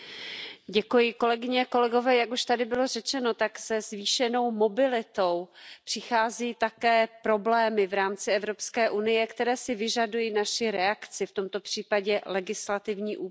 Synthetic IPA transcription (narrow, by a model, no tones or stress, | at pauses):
ɟɛkujɪko̞lɛɡɪɲɛko̞lɛɡo̞vɛːjakuʃt̪adɪbɪlo̞rɛt͡ʃɛno̞t̪aɡsɛzviːʃɛno̞wmo̞bɪlɪt̪o̞wpr̥ɪxaːziːt̪akɛːpɾo̞blɛːmɪvɾaːmt͡sɪɛvɾo̞pskɛːʔunɪjɛkt̪ɛɾɛːsɪvɪʒadujiːnaʃɪɾɛakt͡sɪft̪o̞mt̪o̞pr̝̥iːpaɟɛlɛɡɪslat̪ɪvɲiːʔuː